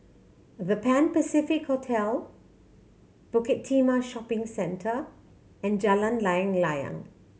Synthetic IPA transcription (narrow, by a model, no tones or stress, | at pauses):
vəpɛ̃npəsifɪkhotʰɛl | b̥ʊkɛtʰːimaʃɔpɪ̃ŋsɛ̃ntʰə | ɛ̃nd͡ʒalə̃nlajə̃ŋlaɪə̰̃ŋ